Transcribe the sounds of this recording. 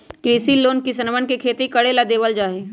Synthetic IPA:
kɾiːsiloːnkisɐnʋənkekʰeːt̪ikɐɽelad̪eːʋəld͡ʒaːɦe

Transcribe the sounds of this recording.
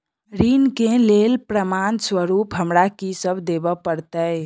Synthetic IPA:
ɾinkelelpɾəmanswəɾupɦəmɾakisəbʱd̪ebəpəɾt̪əj

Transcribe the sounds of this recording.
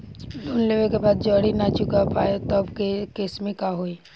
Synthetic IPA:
lonleʋekebaːd̪̚d͡ʒəɽinat͡ʃʊkapaet̪ɔbkekesmẽkaɦoi

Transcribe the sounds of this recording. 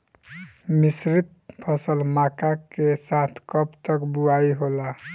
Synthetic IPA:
misɾit̪̚pʰʌsəlmakakesat̪ʰkʌpt̪əkbuaiɦola

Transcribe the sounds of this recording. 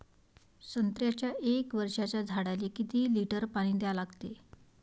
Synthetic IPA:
sənt̪ɾjat͡ɕjaʔekʋəɾʂat͡ɕjad͡zʱaɽalikit̪iːliʈəɾpaɽ̃iːd̪jalaɡt̪e

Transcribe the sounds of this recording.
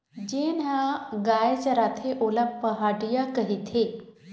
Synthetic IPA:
d͡ʑenaɡajt͡ɕəɾat̪ʰeʔolabpəɦaɽijakəɦit̪ʰe

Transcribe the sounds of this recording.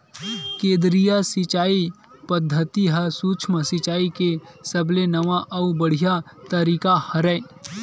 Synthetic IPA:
kẽːd̪ɾijasɪt͡ʃaːi | pɐd̪ʱːət̪iɦɐsuːt͡ʃʰməsɪt͡ʃaːikesɐblenɐʋaʔɐubɐɽ̤ijat̪ɐɾiːkahɐɾɛ

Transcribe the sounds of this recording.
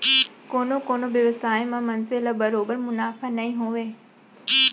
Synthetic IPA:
koːnokoːnoʋjɐʋəsaːemãmɐnzɪləbɐɾoːbəɾmʊnaːfanɐĩɦoʋeː

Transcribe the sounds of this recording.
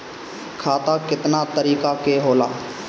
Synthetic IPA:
kʰaːt̪aːkɪt̪naːt̪əɾiːkaːkeːɦoːla̰ː

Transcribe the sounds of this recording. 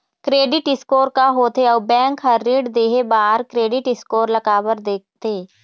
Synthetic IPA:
kɾeːɖɪʈɪskoːɾkaɦoːt̪eɔːbɛ̃ːŋkɦɐɾːiːɖd̪eːɦebaːɾkɾeːɖɪʈɪskoːɾlɐkaːbəɾd̪eːk̚t̪eː

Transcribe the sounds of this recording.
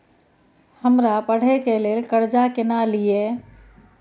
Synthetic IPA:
həmɾapəɽ̤ekelelkəɾd͡ʒakenalije

